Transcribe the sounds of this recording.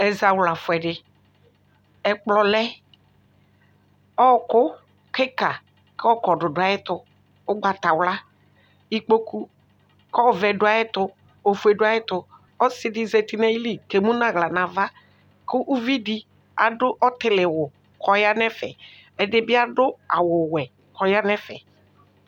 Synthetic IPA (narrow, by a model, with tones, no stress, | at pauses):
ɛ˨za˨wla˨fʊ˨ɛ˨ɖɪ˨ | ɛ˨k͡plɔ˦lɛ˦ | ɔ˦kʊ˦ | kɪ˦ka˨ | kɔ˦kɔ˨ɖʊ˨dʊ˨a˨ɪ˦t̪ʊ˨ | ʊ˦ɡ͡ba˨t̪a˨wla˦ | i˦k͡po˦ku˦ | kɔ˦˨vɛ˨ɖʊ˦a˨˦jɪ˦t̪ʊ˦ | o˨fu˨e˨ɖʊ˦a˦jɪ˦t̪ʊ˨ | ɔ˦sɪ˦di˦zɛ˨t̪i˦nɛ̃˦ji˦li˦ke˨mũ˦nã˨ɣla˨nã˨va˦ | kʊ˦ʔu˦vi˦di˦ | a˨dʊ˦ʔɔ˦t̪ɪ˦lɪ˨wʊ˨ | kɔ˦ja˦nɛ̃˦fɛ̰˨ | ɛ˨dɪ˦bɪ˦a˦ɖʊ˦a˨wʊ˨wɛ˨ | kɔ˨ja˦nɛ˦fɛ̰˨